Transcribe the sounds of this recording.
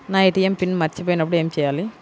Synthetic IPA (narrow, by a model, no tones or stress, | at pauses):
naːiʈ̪ːijɐmpinːmɐɾit͡ɕːɐpoːjinɐpːɐɽejemt͡ɕejːaːlːi